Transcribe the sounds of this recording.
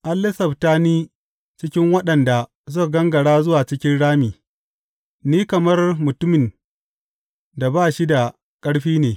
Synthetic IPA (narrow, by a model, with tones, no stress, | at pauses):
ʔa˦lːɪ˦sɐ˨btaː˦niː˦ | t͡ʃɪ˦kʲɪ˦ŋwɐ˦ɗɐ˨nda˨ | zʊ˦˨ɡɐ˦ŋɡɐ˨ɽaː˦zʊ˦waː˨t͡ʃɪ˦kʲɪ˦nɽaː˦miː˨ | niː˦kɐ˨mɐ˦rmʊ˨tʊ˦mɪ˨n | da˨baː˦˨ʃi˦da˨ | kʼɐ˦ɽɸiː˦neː˨